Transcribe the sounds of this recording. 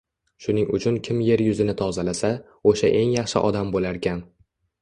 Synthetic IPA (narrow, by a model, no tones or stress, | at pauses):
ʃʊnɪŋʊt͡ʃʰʊnkʲʰɪmje̞ɾjʊzɪnɪt̪ʰɒzalasa | oʃaʔe̞ŋjɑχʃɪ̰ʔɒd̪ambolaɾkʲʰan